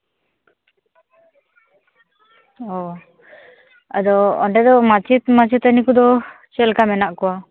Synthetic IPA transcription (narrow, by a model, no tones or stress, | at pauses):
ɔ | ə̰d̪ɔɔ̰ɳɖɛd̪ɔmat͡ʃit̪mat͡ʃit̪anikud̪ɔ | t͡ʃɛlkamɛnaʔkɔa